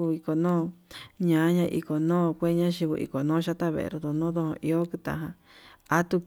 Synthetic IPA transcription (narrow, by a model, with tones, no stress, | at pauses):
u˧i˧ko˨nõː˦ɲã˨˦ɲã˧ʔḭ˧ko˨nõː˦˨kʷe˦ɲã˦ʃi˧βṵ˧ʔḭ˧˨ko˨nõː˦ʃa˦t̪a˦βḛ˧ʔḛ˧ɾo˧d̪o˧˨nõː˦d̪õ˧hõ̰˧ʔi˧o˦kɨ˧t̪ã̰˧ɦã˧ | a˦t̪u˧